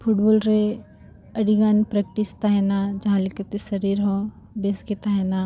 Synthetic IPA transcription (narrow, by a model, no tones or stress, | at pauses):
pʰuʈboːlɾe | ɐɽiɡaːnpɾɐk̚ʈist̪aɦɛnad͡ʒɐɦãlɪkət̪esɐɾiːɾɦõ | besket̪aɦɛna